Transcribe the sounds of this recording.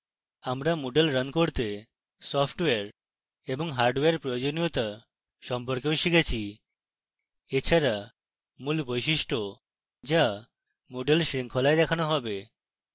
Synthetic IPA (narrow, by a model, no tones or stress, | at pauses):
amɾamoɖelɾənkoɾt̪e | sɔpʰʈeaɾ | eboŋɦaɾɖweaɾpɾojod͡ʑonijot̪a | ʃɔmpoɾkewʃikʰet͡ɕʰi | et͡ɕʰaɾa | mulbojʃiʃʈo | d͡ʑa | moɖelʃɾiŋkʰolaed̪ɛkʰanoɦɔbe